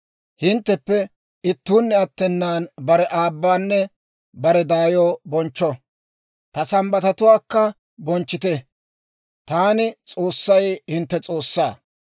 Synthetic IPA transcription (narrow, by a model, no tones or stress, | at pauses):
hɪnt̪ːɛpːɛ | ɪt̪ːuːnːɛɐt̪ːɛnːaːnbɐɾɛʔaːbːaːnːɛ | bɐɾɛd̪aːjoːbɔnt͡ʃːɔ | t̪ɐsɐmbɐt̪ɐt̪ʊwaːkːɐ | bɔnt͡ʃːɪt̪ɛ | t̪aːnɪt͡sʼo̞ːsːɐjhɪnt̪ːɛt͡sʼo̞ːsːaː